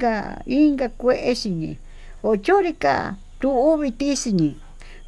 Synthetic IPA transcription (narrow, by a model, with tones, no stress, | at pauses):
ɡa˧i˦ŋɡa˧kʷe˦ʔe˧ʃi˧ɲḭ̃˨ | o˧t͡ʃo˦ɾi˧ka̰˦˧˨ | t̪u˧u˦βi˧t̪i˦si˧ɲĩ˨